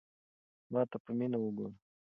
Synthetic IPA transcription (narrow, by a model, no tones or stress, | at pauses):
mɑt̪apəminawuɡuɾ